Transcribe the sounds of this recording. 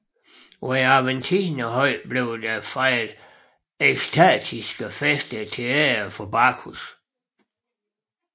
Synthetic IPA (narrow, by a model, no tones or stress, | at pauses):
iɑʋent͡sʰiːnəɦɒ̽ɪb̥le̝ʊd̥æfɑɪl | eɡ̥stʰæ̰ːd̥ʰisɡ̥əfesd̥ət͡sʰeɛːɐfɒbɑkʰus